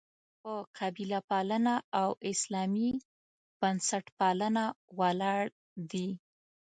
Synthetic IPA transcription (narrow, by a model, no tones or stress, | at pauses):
pəqʰabilapalənaːwɪslɑmi | b̥ansaʈpɑlənawalɑɽ | d̪i